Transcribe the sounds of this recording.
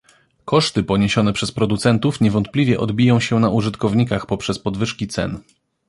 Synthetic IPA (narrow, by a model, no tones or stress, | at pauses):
kɔʂt̪ɘpɔɲeɕɔnɛpʂɛspɾɔd̪ut̪sɛnt̪ufɲɛvɔnt̪̚plʲivʲjɛʔɔ̰d̪bʲijɔ̃w̃ɕɛnaʔuʐɘt̪kɔvɲikaxpɔpʂɛspɔd̪vɘʂkʲit̪sɛ̰n